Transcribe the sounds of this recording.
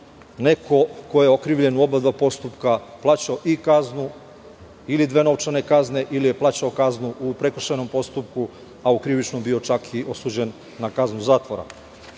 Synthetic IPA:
ne̞kʰo̞ko̞jeokɾiːʋʎe̞nuo̞bad̪ʋapo̞st̪upkaplˠaːt͡ɕaoʔikaznu | ilid̪ʋe̞no̞ʋt͡ʃane̞kazne̞ʔilije̞plˠaːt͡ɕaokaznuʔupɾe̞kr̩ʃajno̞mpo̞st̪upku | aukɾiʋit͡ʃnombio̞t͡ʃakʰiʔo̞suːd͡ʑe̞nː | akaznuzaːt̪ʋoɾa̰

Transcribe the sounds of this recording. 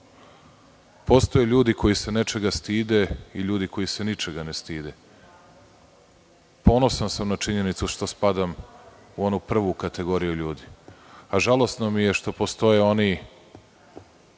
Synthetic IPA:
po̞st̪o̞jeʎuːd̪iko̞jise̞ne̞t͡ʃe̞ɡast̪iːd̪e̞iʎuːd̪ikʰo̞jise̞nit͡ʃeɡanest̪iːd̪e | po̞no̞sansamnat͡ʃiɲe̞nit̪suʃt̪ospad̪am | uo̞nupr̩ʋukat̪e̞ɡo̞ɾijuʎuːd̪iaʒalˠo̞st̪no̞mije̞ʃt̪o̞po̞st̪o̞jeo̞ni

